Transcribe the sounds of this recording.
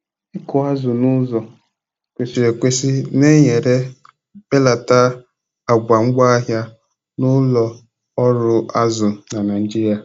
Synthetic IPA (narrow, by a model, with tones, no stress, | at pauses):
ɪ˦kʊ˨a˦zʊ˨nʊ˦zɔ˨ | kʷe˨si˨e˨kʷe˦si˦ne˦ɲe˨ɾe˦ | be˦la˨ta˦ | a˨ɡ͡bʷa˨ŋ͡m̩˦ɡ͡ba˦a˦ɦja˦ | nʊ˦lɔ˦ | ɔ˦ɾʊ˦a˦zʊ˨na˨na˨n˦d͡ʒi˦ɾja˨